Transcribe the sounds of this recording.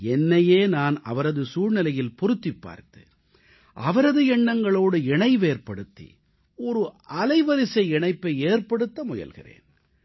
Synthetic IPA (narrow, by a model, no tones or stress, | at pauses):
ɛnːɐjeːnaːnɐ̰ʋɐɾɐðɯsuːɻnɪlɐjɪlpɔɾɯt̪ːipːa̰ːɾt̪ɯ | ʔɐʋɐɾɐðɯɛɳːɐŋɡɐɭoːɽɯɛɳɐɪʋeːɾpɐɽɯt̪ːḭ | ɔɾɯɐlɐɪʋɐɾɪsɐɪɛɳɐɪpːɐeːɾpɐɽɯt̪ːɐmʊjɐ̰lɣɪ̰rḛːn